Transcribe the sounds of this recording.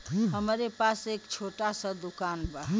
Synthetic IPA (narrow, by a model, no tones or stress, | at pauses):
ɦəmɾepasekt͡ʃʰoʈasə̃d̪ukanbaɦ